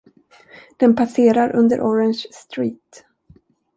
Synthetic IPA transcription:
d̪̥ɛnpʰaseːɾaɾʔɵnd̪ə̰ɾʔɔɾɛnɕst̪ɾiːt̪

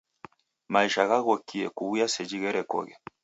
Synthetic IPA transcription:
maiʃaɣaɣɔkiɛkuβujasɛd͡ʒiɣɛɾɛkɔ̰ɣɛ

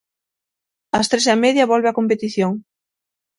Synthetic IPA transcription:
ɐst̪ɾes̬ameðjɐβolβeakompet̪iθjoŋ

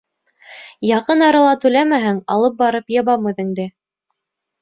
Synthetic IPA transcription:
jɑqɤnɑɾɑlˠɑt̪ʉlæmæɦɘŋɑlˠɤp̚bɑɾɤpjɤ̆βɑmʉðɘ̆ŋd̪ɘ

